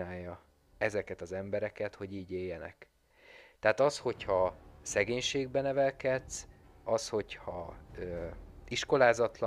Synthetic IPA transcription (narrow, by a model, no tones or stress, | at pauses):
aːjːɒ | ɛzɛkɛt̪ɒzɛmbɛɾɛkɛt̪ho̞ɟiːɟeːjːɛnɛ̰k | t̪ɛaːt̪ɒsho̞chɒsɛɡeːɲʃeːɡbɛnɛvɛlkɛt̪s | ɒsho̞chɒøiʃko̞laːzɒt̪lɒ